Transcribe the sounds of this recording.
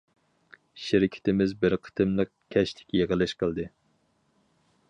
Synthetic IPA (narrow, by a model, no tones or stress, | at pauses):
ʃɪɾɪkʲʰɪ̥t̪ʰɪmɪzbɪɾqʰə̥t̪ʰɨmlˠɨq̚kʲʰɛʃlɪ̥kʲjeʁəlˠɪʃqʰəlˠd̪ɨ